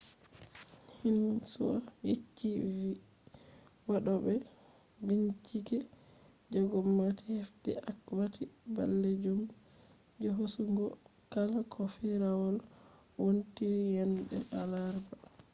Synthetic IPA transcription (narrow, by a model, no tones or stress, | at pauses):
hinsuwa̰jit͡ʃːivi | waɗɔbɛ | biɲt͡ʃikɛ | d͡ʒɔɡɔmːatihefdɛ̰ʔakwatʰiba̰lːed͡ʒum | d͡ʒɔɦosuŋɡɔ | kalakʰɔfɛɾawɔl | wontiɾjɛnɗɛ̰ʔalaɾba